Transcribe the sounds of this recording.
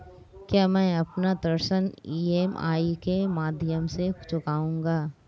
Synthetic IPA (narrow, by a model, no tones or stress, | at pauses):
kjaːmɛ̃ːɐpnad̪əɾʃəniːeːmʔa̰ːikemaːd̪ʱɪjəmset͡ʃʊkaːũːŋɡaː